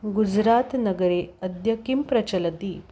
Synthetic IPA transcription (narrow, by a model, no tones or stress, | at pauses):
ɡud͡ʒɾaːt̪nɐɡɐɾeɐd̪jɐkimpɾɐt͡ʃɐlɐt̪i